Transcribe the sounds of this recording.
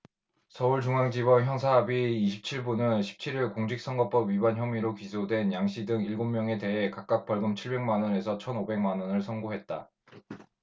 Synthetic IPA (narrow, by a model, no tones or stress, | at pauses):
sʰʌuɭt͡ɕuŋaŋd͡ʑibʌnçjʌŋsʰaɦabiːɕʰip̚t͡ɕʰiɭbunɯnɕʰi̥p̚t͡ɕʰiɾiɭkoŋd͡ʑik̚s͈ʌŋɡʌp͈ʌbɥibançjʌmiɾokisʰodwe̞njaŋɕ͈idɯŋiɭɡomːjʌŋe̞te̞ɦe̞kak͈ak̚p͈ʌɭɡɯmt͡ɕʰiɭbe̞ŋmanʌne̞sʰʌt͡ɕʰʌnobe̞ŋmanʌnɯɭsʰʌnŋɡoɦe̞t̚t͈a